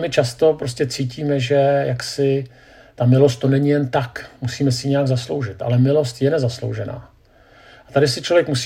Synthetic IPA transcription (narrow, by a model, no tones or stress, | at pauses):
mɪt͡ʃast̪o̞pɾoscɛt͡siːciːmɛʒɛjaksɪ | t̪amɪlo̞st̪̚t̪ːo̞nɛɲɪjɛnt̪akmusiːmɛsɪɲɛjaɡzaslo̞wʒɪt̪ʔa̰lɛmɪlo̞st̪jɛnɛzaslo̞̰wʒɛna̰ː | ʔat̪adɪsɪt͡ʃlo̞vjɛkmus